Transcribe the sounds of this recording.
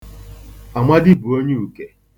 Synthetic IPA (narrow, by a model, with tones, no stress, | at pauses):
a˨mʷa˦dɪ˦bu˨o˦ɲɪ˦u˨ke˨